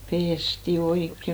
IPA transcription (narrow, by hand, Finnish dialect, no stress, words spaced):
pesti oikːe